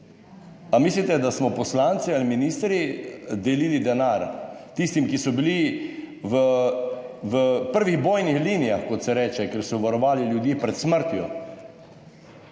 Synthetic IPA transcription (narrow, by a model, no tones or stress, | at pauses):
amislit̪ɛd̪asmɔpɔslaːnt̪sialiminiːst̪ɾid̪ɛliːlid̪ɛnaɾt̪ist̪imkisɔbiliʋə | ʋəpəɾʋiɣboːjnixliːnijaxkɔt̪sɛɾɛːt͡ʃɛkɛɾsɔʋaɾɔʋaːliljud̪jiːpɾɛt̪sməɾt̪jɔ